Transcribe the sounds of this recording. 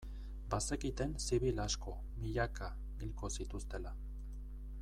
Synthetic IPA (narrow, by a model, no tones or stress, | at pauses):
base̞kit̪e̞nsiβ̞ilasko̞ | miʎaka | ɣilko̞sit̪ust̪e̞la